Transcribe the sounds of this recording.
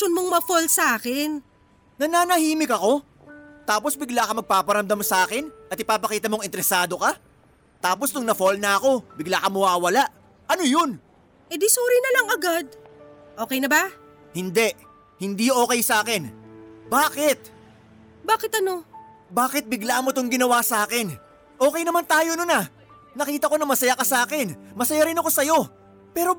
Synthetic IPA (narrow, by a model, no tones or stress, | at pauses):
ʃonmoŋmɐfolsɐʔaːkɪn | nɐnaːnɐhiːmɪkɐko̞ | t̪aːpo̞sbɪɡlaːkɐmɐɡ̚paːpɐɾɐmd̪ɐmsɐʔaːkɪnʔɐt̪ɪpaːpɐkiːt̪ɐmo̞ŋɪnt̪ɛɾɛsaːd̪o̞kɐ | t̪aːpo̞snʊŋnɐfolnɐɐko̞bɪɡlakɐmɐwaːwɐlaʔ | ʔɐno̞jon | ʔɛd̪isuːɾinɐlɐŋɐɡad̪̚ | ʔo̞ːkɛjnɐba | hɪnd̪ɛʔ | hɪnd̪iːʔo̞ːkɛjsɐʔaːkɛnbaːkɪt̪̚ | baːkɪt̪ɐno̞ | baːkɪt̪̚bɪɡlaʔmot̪oŋɡɪnɐwasɐʔaːkɛn | ʔo̞ːkɛjnɐmant̪aːjononɐ | nɐkiːt̪ɐko̞nɐŋmɐsɐjakɐsɐʔaːkɛnmɐsɐjaɾɪnɐko̞sɐjo̞ | pɛːɾo̞